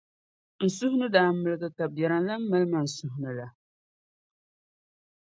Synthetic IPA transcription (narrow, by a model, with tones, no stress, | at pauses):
n̩˨sʊ˦hʊ˦nɨ˦daː˦m̩˦mɨ˨lɨ˦ɡɨ˦ka˨bjɛ˨ɾɨ˨nla˦m̩ː˦ɨ˦lɨ˦ma˨n̩˨sʊ˦hʊ˦nɨ˨la˨